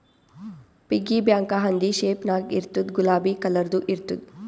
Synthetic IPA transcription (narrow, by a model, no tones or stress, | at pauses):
piɡibjaːŋkaɦɐnd̪iʃeːpnaːɡḭɾt̪ud̪ɡulaːbikɐlɐɾd̪uʔiɾt̪ud̪